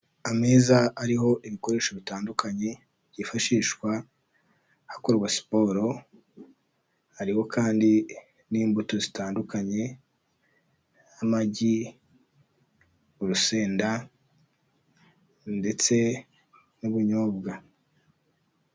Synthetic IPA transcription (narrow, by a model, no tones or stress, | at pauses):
ameːzaaɾiɦo̞ʔiβiko̞ɾe̞ːʃoβitaːndukʰaɲe̞ | bjɟifaʃiːʃkwa | hako̞ɾɡwasi̥po̞ːɾo̞ | haɾiho̞kʰaːndi | niːmbutozitaːndukaɲe̞ | amaɟi | uɾuse̞ːnda | nde̞t͡se̞ | nuβuɲoːb̚ɡa